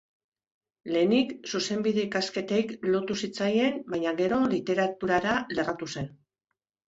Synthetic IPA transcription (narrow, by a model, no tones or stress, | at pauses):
le̞ːniksuse̞mbiðe̞ikaske̞t̪ejklo̞t̪usit͡saje̞nbaɲaɣe̞ɾo̞lit̪e̞ɾat̪uɾaɾale̞rat̪use̞n